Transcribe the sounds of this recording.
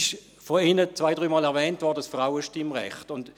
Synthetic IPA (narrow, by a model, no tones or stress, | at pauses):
ʃ | fɔɪnət͡sʋaɪdʁyːmɑːlɛɐʁvɛːntvɔɐdəsfʁaʊəʃtɪmʁɛ̰χtʊnd